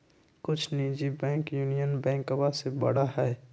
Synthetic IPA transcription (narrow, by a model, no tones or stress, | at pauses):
kʊt͡ʃʰnid͡ʒibɛ̃ːŋkjuːnijənbɛ̃ːŋkobasebə̰ɽ̤aɦɛː